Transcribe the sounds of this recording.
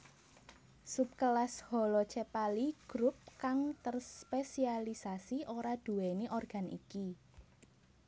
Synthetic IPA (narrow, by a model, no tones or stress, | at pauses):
sup̚kəlashɔlɔt͡ʃɛpaliɡ̥ɾup̚kaŋt̪ərspesialisasiʔoɾad̥ṳɛneʔɔrɡ̥a̤nḭki